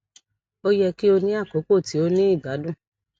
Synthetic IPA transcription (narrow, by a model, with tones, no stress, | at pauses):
o˦jɛ˧ki˦o˧nĩ˦a˦˨ko˨˦ko˦˨ti˨˦o˧nĩ˦i˦˨ɡa˨˦dũ˦˨